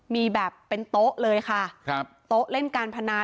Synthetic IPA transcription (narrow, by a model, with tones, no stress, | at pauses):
miː˧bɛː˨˩pːe˧nt̪o˦˥ʔlɤː˧jkʰa˥˩˦ | t̪o˦˥ʔle˥˩nkaː˧npʰa˧naː˧˥